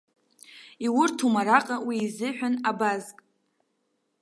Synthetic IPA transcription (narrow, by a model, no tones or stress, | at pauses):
iwʊrtʰumaɾaqʼawiːzɨħʷᶣanabazkʼ